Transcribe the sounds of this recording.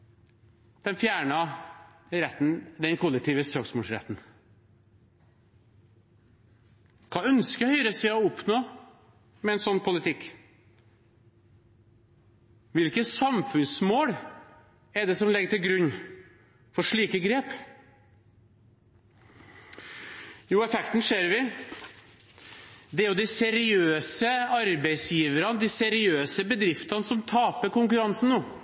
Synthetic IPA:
d̪̥ɛnfjæːɳɑ | ɾɛt̪ːn̩d̪ɛnkʰʊlɛk̚t̪ʰiːʋəst̪ɾoːksmoːlsɾɛ̰t̪ːn̩ | kʰɑːœnskəhœʏɾəsɛɪɔʊpnoː | mɛɛnsɔnːpʰʊlɪt̪ʰɪkː | ʋɪlkəsɑmfʉnsmoːɽ | ɛɖ̪ɛsɔmlɛɡəʈ̪ɪlɡɾʉɲː | fɔɾʂɭiːkəɡɾeːp | juːɛfɛkt̪n̩ʂeːɾʋɪ | d̪ɛæɾjʊd̪ɪsɛɾɪøːsəɑɾbæɪsjiːʋəɾənəd̪ɪsɛɾɪøːsəbəd̪ɾɪft̪ɑnsɔmt̪ʰɑːpəɾkʊŋkʉɾɑnsn̩nuː

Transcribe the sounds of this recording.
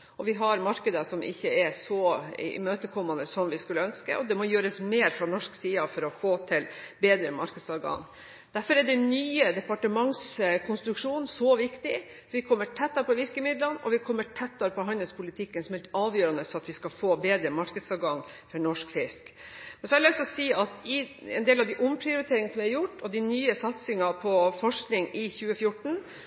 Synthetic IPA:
ʔɔʋɪɦɑɾmɑɾkəd̪əʂɔmʔɪ̰çːəɛsɔɪ̰møːt̪əkʰɔmːɑnd̪əsɔmʋɪskʉlːəœnskə̰ʔɔd̪ɛmɔjøːɾəsmeːɾfɾɑnɔʂksiːɑfɔɾɔfoːt̪ʰɪlbeːd̪ɾəmɑɾkəd̪sɑɾɡɑ̰ŋ | d̪̥æɾfɔɾɛɖɛnyːəd̪ɛpɑʈəmɑŋskʰʊnst̪ɾʉkʂuːnsɔʋɪkt̪ɪ | ʋɪkʰɔmːəʈʰɛt̪ːɑɾpɔʋɪɾkəmɪd̪lənɔ̰ʋɪkʰɔmːəʈʰɛt̪ːɑɾpɔɦɑnːəlspʰʊlɪt̪ʰɪkːənsɔmɛlt̪ɑːʋjøːɾɑnəsɔɑt̪ʋɪskɑfoːbeːd̪ɾəmɑɾkəd̪sɑʋɡɑŋ | fɔɳɔʂkfɪskmɛnsɔæɾlœst̪ɔsiːʔɑt̪ɪɛ̰nd̪eːlɑʋd̪ɪʔʊmpʰɾɪʊɾɪt̪ʰeːɾɪŋnsɔmʋɪæɾjʊʈːɔd̪ɪnyːəsɑt̪sɪŋɑpʰɔfɔʂknɪŋɪçʉːəfjʊʈɳ̩

